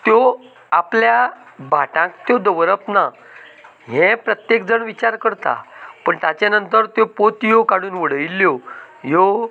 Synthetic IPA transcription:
t̪jo | aplja | bʱaʈãkt̪jod̪əʋɾəpna | ɦɛ̃pɾət̪jek̚d͡zəɳʋit͡ɕaɾkəɾt̪a̰pəɳt̪jat͡ɕanənt̪əɾt̪jopot̪jokaɽuːnʋəɽəilːjojo

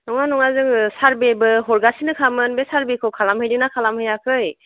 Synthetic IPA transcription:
nɔŋanɔŋazɯŋsaɾbebɯɦɔɾɡasinɯkʰamɯnbesaɾbekʰɯwkʰalamhɯjdinakʰalamhɯjakʰɯj

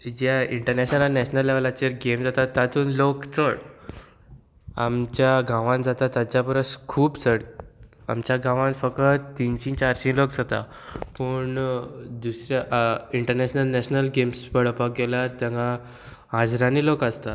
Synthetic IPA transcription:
d͡ʑaiɳʈəɾnɛɕnəlanɛɕnəlːeʋlat͡ɕeɾɡemd͡zat̪at̪ːat̪uːnlokt͡səɽ | a̰mt͡ɕjaɡãʋãnd͡zat̪at̪at͡ɕapəɾəskʰuːpt͡səɽa̰mt͡ɕjaɡãʋãnfəkət̪t̪ːinɕĩt͡ɕaɾsĩŋlok̚d͡zat̪a̰ | pəɳd̪usɾjaʔiɳʈəɾnɛɕnəlnɛɕnəlɡemspəɽ̤əpak̚ɡelaɾt̪jãŋɡa | ɦad͡zɾãniːlokast̪a

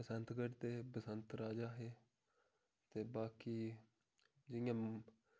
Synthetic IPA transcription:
pəsənt̪ɡəɾt̪eːpəsənt̪ɾaːd͡ʒaːɦeː | t̪eːbaːkiː | d͡ʒɪjãː

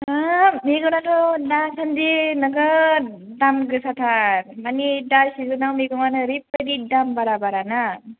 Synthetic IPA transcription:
amiɡɔnatʰɔdasandinɔɡa | damɡɯsat̪ʰaɾmanidasizunawmiɡɔŋanɯɾip̚adidambaɾabaɾana

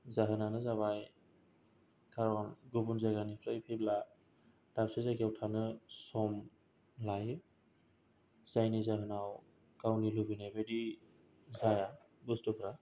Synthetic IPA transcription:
zaɦɯnanɯzaβaj | kʰaɾɔnɡubunzaɡanipʰɾajpʰibla | d̥apsezaɡiawtʰanɯsɔm | laj | z̥ajnizaɦɯnaw | kawnilubinabedi | zaja | bustɔpʰɾa

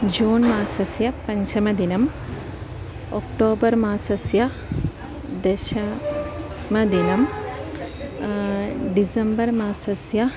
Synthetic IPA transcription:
d͡ʒuːnmaːsɐsjɐpɐɲt͡ʃɐmɐd̪inɐm | okʈoːbɐɾmaːsɐsjɐ | d̪eʃɐ | mɐd̪inɐm | ɖisɐmbɐɾmaːsɐsjɐ

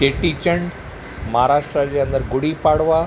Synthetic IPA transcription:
eʈit͡ɕəɳ | mɐɦaɾaːʂʈɾad͡ʑeə̃nd̪əɾɡʊɽipaːɽʋa

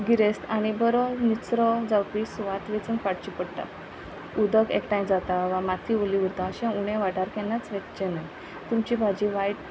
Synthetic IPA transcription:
ɡiɾest̪aɽ̃ibəɾɔnit͡sɾɔd͡zawpisʋat̪ʋet͡sənkaɽt͡ɕipəɽt̪a̰ | ud̪əɡekʈajmd͡zat̪aʋãmat̪ʰiʋoliʋəɾt̪ãəɕɛ̃uɽɛ̃ʋaʈaɾkɛnat͡sʋekt͡ɕenaj | t̪umt͡ɕibʱad͡ʑiʋajʈ

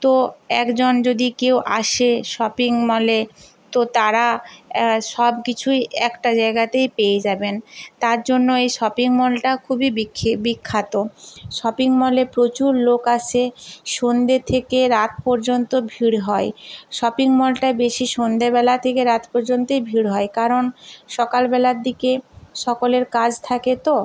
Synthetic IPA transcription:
t̪oɛkd͡ʑond͡ʑod̪ikewʔaʃeʃɔpiŋmɔle | t̪ot̪aɾa | ʃɔbkit͡ɕʰujɛkʈad͡ʑaeɡat̪ejpejed͡ʑabent̪aɾd͡ʑonːoejʃɔpiŋmɔlʈakʰubibʰbikʰːat̪oʃɔpiŋmɔlepɾot͡ɕuɾlokat͡ɕʰeʃond̪et̪ʰekeɾat̪̚pɔɾd͡ʑont̪obʱiɽɦɔeʃɔpiŋmɔlʈabeʃiʃond̪ebɛlat̪ʰekeɾat̪pɔɾd͡ʑont̪ojbʱiɽɦɔekaɾonʃɔkalbɛlaɾd̪ikeʃɔkoleɾkad͡ʑt̪ʰaket̪o

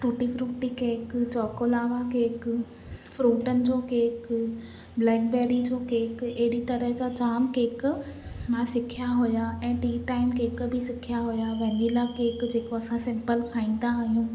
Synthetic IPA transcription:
ʈuːʈifɾuːʈikeːkt͡ɕɔːkolaːʋakeːkʊ | fɾuːʈənɪ̆d͡ʑoːkeːk | blɛ̃ːɖbɛːɾid͡ʑoːkeːkeɦɪɽit̪ɐɾəɦd͡ʑat͡ɕaːmkeːk̆mãsɪkʰijaɦʊjaɛ̃ːʈiːʈaːɪmkeːkbʱɪsɪkʰijaɦʊjaʋɐ̃ɦɪ̃nilakeːkd͡ʑeːkoɐsãsɪ̃mpəlkʰaːĩːn̆d̪aːɦijũː

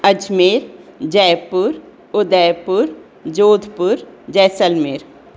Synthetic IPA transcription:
ɐd͡ʒmeɾd͡ʒɛːpʊɾ | ʊd̪ɛːpʊɾ | d͡ʒoːd̪ʱpʊɾd͡ʒɛːsəlmeːɾ

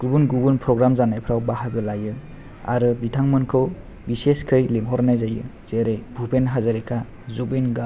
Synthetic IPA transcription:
ɡ̥ubunɡubunpʰɾɔɡɾamzanajpʰɾawbaɦaɡɯlajɯ | a̰ɾɯbitʰaŋmɯnkʰɯw | biseskʰɯjliŋɦɔɾnajzajɯ̰z̥eɾejbʱupʰenɦazaɾikʰa | zubenɡa

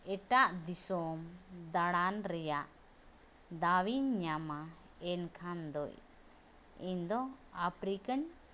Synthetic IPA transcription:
ɛʈaʔd̪isɔmd̪aɽanɾɛjaʔ | d̪awiɲɲama | ɛnkʰand̪ɔ̰j | iɲd̪ɔapɾikəɲ

